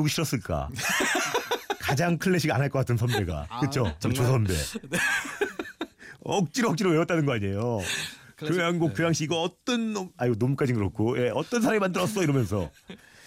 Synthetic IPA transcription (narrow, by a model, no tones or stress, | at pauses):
ɡuɕʰiɾʌs͈ɯɭk͈a̰ | kad͡ʑaŋkʰɯɭːe̞ɕʰiɡa̰naɭk͈ʌk͈atʰɯnsʰʌnde̞ɡa̰kɯt͡ɕʰot͡ɕosʰʌnde̞̰ | ʌk̚t͡ɕ͈iɾʌk̚t͡ɕ͈iɾoweʌt͈anɯnɡʌaɲe̞jo | kɯaŋɡok̚k͈ɯjaŋɕ͈ʰiiɡʌʌt͈ʌnaiɡonomuk͈ad͡ʑinɡɯɾʌkʰoje̞ʌt͈ʌnsʰaɾamimandɯɾʌs͈ʌiɾʌmjʌnsʰʌ̰